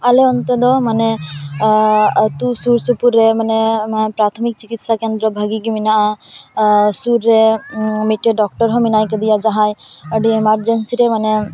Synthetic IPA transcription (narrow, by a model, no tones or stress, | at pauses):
aleɔnt̪ɔd̪ɔmane | t̪usuɾsupuɾːemanempɾat̪ʰɔmik̚t͡ʃikit̪sakend̪ɾɔbʱaɡiɡiminaʔa | suɾːemiʈːeɖɔk̚ʈɔɾɦɔminajked̪ijad͡ʒaɦajɔɖiemaɾd͡ʒensiɾemane